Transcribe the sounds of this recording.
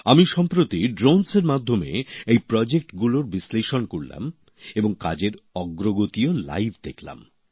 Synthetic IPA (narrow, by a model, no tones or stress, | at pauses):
amiʃɔmpɾot̪iɖɾonseɾmad̪ʱːomḛejpɾɔd͡ʑek̚ʈɡuloɾbisleʃonkoɾla̰m | eboŋka̰d͡ʑeɾɔɡɾoɡot̪iola̰jbʰʱd̪ekʰla̰m